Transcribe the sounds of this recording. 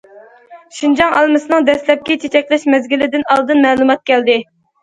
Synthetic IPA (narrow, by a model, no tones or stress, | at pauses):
ʃind͡ʒɑŋɑlˠmɨsɨnɨŋd̪ɛslɛp̚kʲɪt͡ʃʰet͡ʃʰɛkʲlɪʃmɛzɡʲilɪd̪ɪnɑlˠd̪ɨnmɛːlˠumɑt̪̚kʲɛld̪ɪ